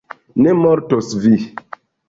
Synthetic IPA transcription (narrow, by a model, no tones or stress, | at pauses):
nemɔɾtosvi